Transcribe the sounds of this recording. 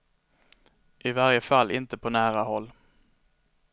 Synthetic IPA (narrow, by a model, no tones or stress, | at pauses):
ʔɪvaɾjəfalːɪnt̪əpʰɔnæːɾahɔlː